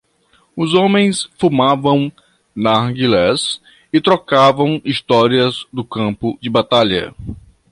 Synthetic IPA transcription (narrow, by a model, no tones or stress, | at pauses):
ʊzõmẽj̃sfumavɐ̃w̃ | naɡilɛs | ɪt̪ɾɔkavɐ̃w̃ist̪ɔɾiɐzd̪ʊkɐ̃pʊd͡ʒɪbat̪aʎɐ̰